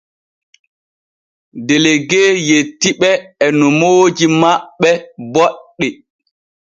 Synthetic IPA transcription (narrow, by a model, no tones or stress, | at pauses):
deleɡeːjetːiɓɛːnɔmoːd͡ʒimaɓːɛbɔɗːɛ